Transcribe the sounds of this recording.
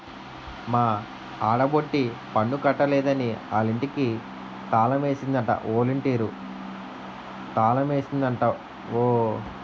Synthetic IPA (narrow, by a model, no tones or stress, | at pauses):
maː | aːɽɐboʈːipɐɳːukɐʈːɐlɛːd̪ɐniaːliɳʈiki | t̪aːlɐme̞ːsind̪ɐɳʈɐ̰ʔoːliɳʈeːɾu | t̪aːlɐme̞ːsind̪ɐɳʈa | oː